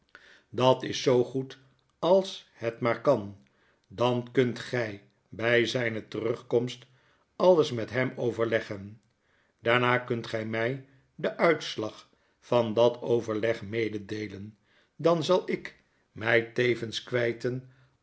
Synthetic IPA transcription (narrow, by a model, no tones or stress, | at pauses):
dɑtɪsːowχut | ɑlˠshɛtmaːɹkɑn | dɑnkɵntχɛj | bɛjzɛjnətərɵχkɔmst | ɑləsmɛtɦɛmowvəɹlɛχən | daːɹnaːkɵntχɛjmɛj | dəʔœɥtslɑχ | fɑndɑtʰowvəɹlɛχmejdədejlən | dɑnzɑlˠɪk | mɛjtejvənskʋɛjtən